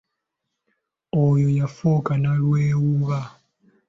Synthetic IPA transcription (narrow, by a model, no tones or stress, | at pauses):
ojojafokanalweːwuβa